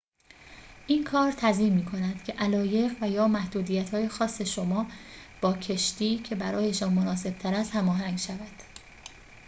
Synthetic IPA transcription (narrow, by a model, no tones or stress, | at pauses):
ʔiːnkʰɒːɾt̪ʰæziːmːiːkʰo̞næd̪̥cʰe̞ʔælɒːje̞ɣvæjɒːmæhd̪uːd̪ijæt̪hɒːjexɒːsːe̞ʃo̞mɒː | b̥ɒːcʰe̞ʃt̪iːcʰe̞bæɾɒːje̞ʃɒːnmonɒːse̞b̥̚t̪ʰæɾæst̪hæmɒːɦæŋɡʃævæd̪̥